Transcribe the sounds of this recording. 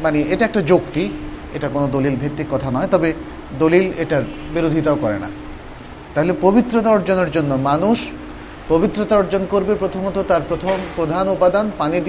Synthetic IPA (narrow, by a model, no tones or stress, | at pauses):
maneʔeʈaɛk̚ʈad͡ʑokt̪ieʈakonod̪olilbʱett̪ːikːɔt̪ʰanɔet̪ɔbe | d̪olileʈaɾbiɾod̪ʱit̪aokɔɾḛna̰ | t̪aɦolepobit̪ːɾot̪aɔɾd͡ʑoneɾd͡ʑonːomanuʃ | pobit̪ːɾot̪aɔɾd͡ʑonkoɾbepɾot̪ʰomɔt̪ot̪aɾpɾot̪ʰompɾod̪ʱanopad̪anpanid̪i